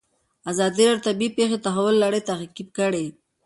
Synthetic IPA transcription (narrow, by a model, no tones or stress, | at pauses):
azɑd̪iɾɑot̪abipexet̪aɦawʊlːaɽet̪aɦqib̚kəɽe